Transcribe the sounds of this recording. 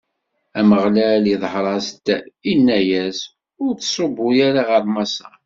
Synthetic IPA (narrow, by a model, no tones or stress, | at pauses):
æməʁlæliðˤħɾˤɑst̪ːæinːæjæs | ʊɾθsˤobːʊjaɾaʁəɾmɑsɑ